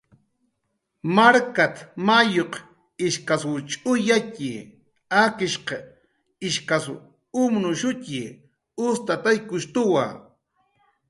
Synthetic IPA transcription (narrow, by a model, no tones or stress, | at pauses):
maɾkat̪majoq | ɪʃkaswt͡ʃʼʊjakɪ | akɪʃqe | ɪʃkas | ʊmnʊʃʊcɪ | ʊst̪at̪ajkʊʃt̪ʊwa̰